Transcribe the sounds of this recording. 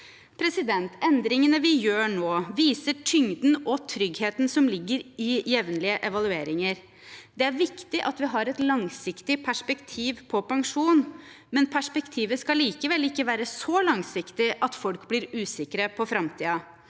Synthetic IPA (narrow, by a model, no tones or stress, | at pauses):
pʰɾɛsɪd̪ɛnt̪ɛnd̪ɾɪŋənəʋɪjøːɳoːʋiːsəʈʰʏŋd̪nɔt̪ʰɾʏɡheːt̪nsɔmlɪɡːəɾɪjɛʋnəlɪəʔɛʋɑlʉeːɾɪŋəɾ | d̪ɛæɾʋɪkt̪ɪʔɑt̪ʋɪɦɑɾɛt̪lɑŋsɪkt̪ɪpʰæʂpɛkt̪ʰiːʋpʰɔpɑŋʂuːn | mɛnpʰæʂpɛkt̪ʰiːʋəskɑliːkəʋɛlɪkːəʋæːɾəsɔlɑŋsɪkt̪ɪʔɑt̪fɔlkblɪɾʉːsɪkɾəpʰɔfɾɑmt̪ʰiːɑ